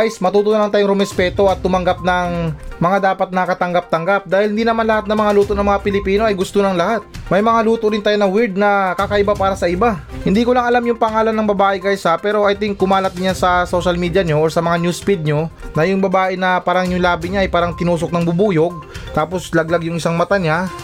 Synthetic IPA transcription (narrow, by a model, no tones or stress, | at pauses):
jsmɐt̪uːt̪onɐlant̪aːjoŋɾomɛspɛːt̪o̞ɐt̪ːʊmɐŋɡap̚nɐŋmɐŋad̪aːpɐt̪̚nɐkɐt̪ɐŋɡap̚t̪ɐŋɡap̚d̪aːhɪlhɪnd̪iːnɐmanlɐhat̪̚nɐŋmɐŋaluːt̪onɐŋmɐŋapɪlɪpiːno̞ʔɐjɡʊst̪onɐŋlɐhat̪̚mɐjmɐŋaluːt̪oɾɪnt̪ajonɐwɪɹd̪̚nɐkakɐʔɪbapaːɾɐsɐʔɪbahɪnd̪iːkolɐŋɐlamjʊŋpɐŋaːlɐnːɐŋbɐbaːʔɛkajsapɛːɾo̞ʔɐjt̪ɪŋkʊmaːlɐt̪̚ɪɲansɐso̞ʃɐlmiːd̪jaɲo̞ʔoɹsɐmɐŋanjuːspid̪̚ɲo̞nɐjʊŋbɐbaːʔɛnɐpaːɾɐŋjʊŋlaːbɪɲaʔɐjpaːɾɐŋt̪ɪnuːs̬ok̚nɐŋbʊbuːjo̞ɡ̚t̪aːpo̞slɐɡ̚laɡjʊŋɪsaŋmɐt̪aɲa